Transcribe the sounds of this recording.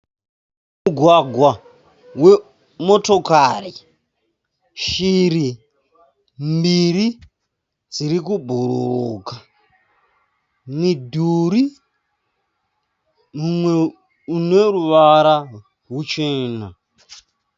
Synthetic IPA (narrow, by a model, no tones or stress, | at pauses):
muɡʱwaɡʱwa | we̞ | mo̞to̞kari | ʃiri | mbiɾi | d͡ziɾikubʱuɾuuːka | midʱuɾi | mumwe | uneɾuʋaɾa | rut͡ʃeːna